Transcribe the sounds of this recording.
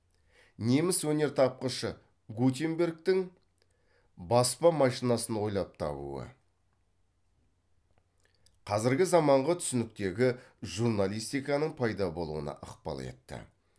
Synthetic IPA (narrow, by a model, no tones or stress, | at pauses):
ne̞mɪswɵne̞ɾt̪ʰɑp̚qəʃə | ɡut̪̬ʲembʲe̞ɾɡ̚t̪ɪŋ | bɑspɑmɑʃinɑsənwo̞jlˠɑp̚t̪ʰɑ̰bṵə̰ | qʰɑzɪɾɡʲɪzɑmɑɴʁət̪ʰʏ̥sɪnɪk̚t̪e̞ɡʲɪʒuɾnalˠijst̪ijkɑnəɴpʰɑjd̪ɑbo̞lˠṵənɑ̰ʔəqpɑ̰lˠḛt̪ːɪ̰